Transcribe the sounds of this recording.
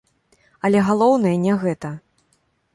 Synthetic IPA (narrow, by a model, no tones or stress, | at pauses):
ɐlʲɛɣalˠɔwnɐjɐnʲɛɣɛt̪ɐ